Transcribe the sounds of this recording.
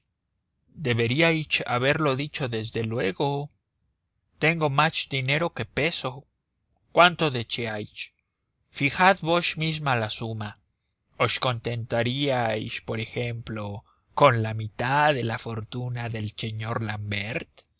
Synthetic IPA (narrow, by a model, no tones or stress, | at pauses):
d̪e̞βe̞ɾiajt͡ʃa̰βe̞ɾlo̞ðit͡ʃo̞ðe̞zðe̞lwe̞ɣo̞ | t̪e̞ŋɡo̞masd̪ine̞ɾo̞ke̞pe̞so̞ | kwant̪o̞ðe̞t͡ʃeajt͡ʃ | fixaðβoʃmizmalasuma | osko̞nt̪e̞nt̪aɾiajspo̞ɾe̞xemplo̞ | ko̞nlamit̪aðe̞lafo̞ɾt̪unaðe̞lse̞ɲo̞ɾlambeɾt̪